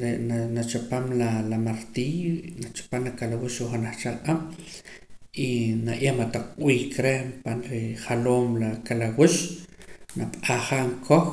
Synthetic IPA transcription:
ɾeʔnanat͡ʃapamlalamaɾt̪iːnat͡ʃḁpanlakalawiʃɾuχanaχt͡ʃaqʼam̥ | inaʔjemat̪aq͡χqʼwiːkɾepanɾiχaloːmlakalawiʃ | napʼaχaːŋkʰox

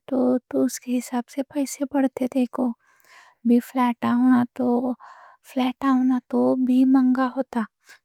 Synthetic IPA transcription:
t̪oːt̪oʊskeɦɪsaːbsepəɪsepɐɽt̪ed̪eːkʰo | bʱiflɛːʈaɦoːnat̪o | flɛːʈaɦoːnat̪obʱimɐ̃ŋɡaɦoːt̪aː

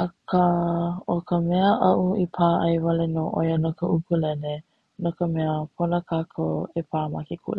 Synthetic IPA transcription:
ɐkaokəmɛəʔɐʔuipʰaːʔɐjvɐlenoʔojənokəʔukulɛne | nokəmɛəpʰonəkʰaːkʰowepʰaːma̰kikʰṵlə

